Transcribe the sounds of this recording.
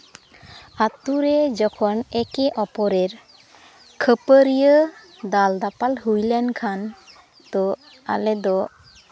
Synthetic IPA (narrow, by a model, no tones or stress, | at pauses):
at̪uɾɛd͡ʒɔkʰɔnɛkɛʔɔpɔɾeɾ | kʰəpəɾijə | d̪ald̪apalɦujlɛnkʰan | t̪ɔ | a̰lɛd̪ɔ